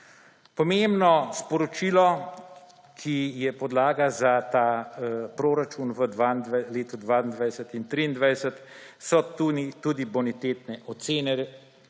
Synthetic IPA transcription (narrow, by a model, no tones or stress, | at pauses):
pɔmembnɔspɔɾɔt͡ʃiːlɔ | kʰijɛpɔd̪laːɡazat̪aːpɾoːɾat͡ʃunʋəd̪ʋanleːt̪ud̪ʋaːnd̪ʋajsət̪int̪ɾiːnd̪ʋajsət̪sɔt̪unit̪uːd̪ibɔnit̪eːt̪nɛʔɔt̪seːnɛɾ